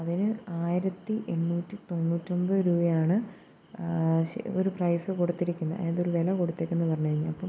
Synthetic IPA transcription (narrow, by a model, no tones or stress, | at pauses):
ɐðinɨaːjiɾɐt̪ːiʔe̞nːuːtːit̪o̞nːuːtːombɐɾuːbɐjaːɳɨ | oɾuprɐjsɨkoɽut̪ːiɾikʲːunːɐɐ̰eɐðo̞ɾuʋelɐkoɽut̪ːe̞ːkʲːenːɨpɐrɐɲːuɣɐɾiɲːalɐpːɐ